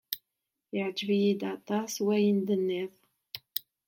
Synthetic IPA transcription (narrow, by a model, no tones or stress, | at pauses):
jəʕd͡ʒəvjid̪ɑt̪ˤɑswæjənd̪ənːiθ